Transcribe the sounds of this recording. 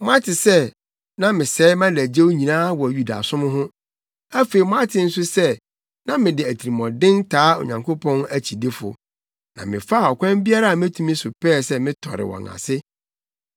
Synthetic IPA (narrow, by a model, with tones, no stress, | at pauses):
mʊ̃˦a˦tʰɪ˨sɛ˦ | nã˦mɪ̃˨sɛː˨˦mã˦læ˨d͡ʑe˦wo˦ɲĩ˨nãː˦wɔ˨ju˨da̰˨sʊ̃˦mʊ̃˦ɦʊ̃˦ | æ˦fe˨i˨mɔ̃˦a˦tʰɪ˨n̩˦sʊ˦sɛ˦˨ | nã˦mɪ̃˨dɪ˨æ˨tʰi˨ɾi˨mɔ̃˨dɪ̃˦ntʰaː˨˦o̰˨ɲã˨ŋkʰo˦pʰɔ̃˦næ˦t͡ɕʰi˨dɪ˦fʊ̰˨ | nã̰˨mɪ̰̃˨fa˦˨ɔ˨kʷʰã˦mbi˦a˦ɾa˦a˨mɪ̃˦tʰũ˨mĩ˦sʊ˨pʰɛː˦˨sɛ˦mɪ̃˦tʰɔ̰˨ɾɪ̰˨wɔ̰̃˨ŋã̰˨sɪ˦